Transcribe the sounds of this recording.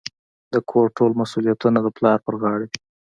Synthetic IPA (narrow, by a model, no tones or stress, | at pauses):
d̪əkʰoɾʈolmasulijat̪unad̪əplɑɾpəɾɣɑɽe